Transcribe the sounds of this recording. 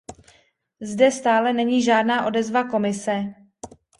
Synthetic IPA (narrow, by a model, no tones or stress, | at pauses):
zdɛst̪aːlɛnɛɲiːʒaːdnaːʔo̞dɛzvako̞mɪsɛ